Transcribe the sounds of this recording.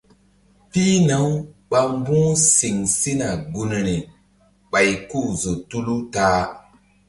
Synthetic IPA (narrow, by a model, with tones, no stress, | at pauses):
pi˦na˨˦wɓa˧mbũ˦si˨ŋsi˦na˨ɡu˨n˨ɾi˨ | ɓa˨jku˦˨zo˨tu˦lu˦taː˦